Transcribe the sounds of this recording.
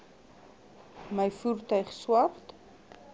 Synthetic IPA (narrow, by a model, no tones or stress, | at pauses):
məjfuːrtœɥχswɐrt